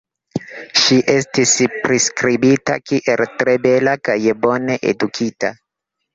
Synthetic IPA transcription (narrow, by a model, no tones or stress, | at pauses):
ʃiʔe̞stispɾiskɾibita̰kiʔe̞ltɾe̞be̞lakajbo̞ne̞ʔḛdukʰita